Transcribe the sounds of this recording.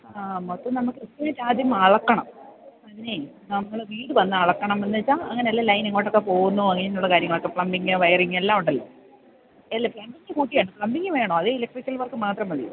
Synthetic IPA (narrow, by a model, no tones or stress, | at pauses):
amɐt̪ːɐmnɐmukːɨit̪ːɐɐɾaːd̪ʱjɐmɐɭɐkːɐɳɐ̰mɐðinenɐmːɐɭʋiːɽɨʋɐnːɨɐɭɐkːɐɳɐmenːit͡ɕːaːɐŋːɐne̞ɐlːaɐlɐjneŋːoːʈːo̞kːepo̞ːɣunːuɐŋːɐnenːuɭːɐkaːɾjɐŋːɐɭokːe̞fɭɐmbiŋːɨʋɐjɐriŋːelːaːmuɳɖɐlːo̰ | elːɐpɭɐmbiŋːɨkuːʈːijaːɳɨpɭɐmbiŋːɨʋe̞ːɳoːɐðeilɐk̚ʈrikʲːɐlʋɐrkːɨmaːt̪rɐmɐðḭṵ